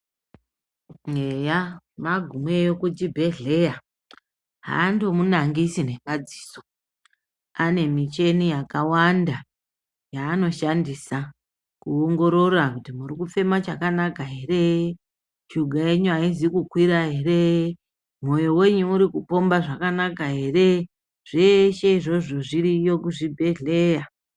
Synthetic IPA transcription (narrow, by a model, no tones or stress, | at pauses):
eja | maɡʱumwe̞jokud͡ʒibʱe̞ɮe̞ja | ɦa̰ːndo̞munaŋɡisine̞kad͡zi̥ːso | ane̞mit͡ʃe̞nijakawanda | jaːno̞ʃandisa | kuoŋɡo̞ɾo̞rakutimuɾikufe̞mat͡ʃakanakaɦe̞re̞ | t͡ʃuɡʱae̞ɲuaizikukwiɾaɦe̞re̞ | mo̞jo̞we̞ɲuuɾikupo̞mbaʐakanakaɦe̞re̞ | ʐ̥eʃe̞iʐo̞ʐo̞ʐirijo̞kuʐibʱe̞ɮe̞ja